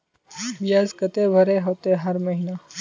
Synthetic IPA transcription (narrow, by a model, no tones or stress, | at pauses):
bijazkət̪eʋʱəɾeɦot̪eɦəɾməɦina